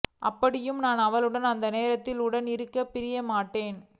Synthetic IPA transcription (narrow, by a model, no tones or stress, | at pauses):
ʔɐ̰pːɐɽɪjɯmnaːnɐʋɐlɯɽɐnɐnd̪ɐneːɾɐt̪ːɪlʊɽɐnɪɾɯkːɐpːɪɾɪjɐmaːʈːeːn